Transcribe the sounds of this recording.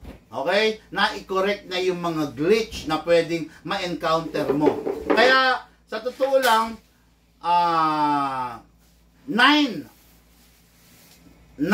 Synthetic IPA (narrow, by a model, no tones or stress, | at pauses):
ʔoːkɛjnaʔɪkoɾɛk̚t̪̚nɐjʊŋmɐŋaɡɾɪt͡ʃnɐpwɛːd̪ɪŋmɐʔɛnkawnt̪ɛɾmokɐjaʔ | sɐt̪ʊt̪oʔolaŋ | ʔaː | najn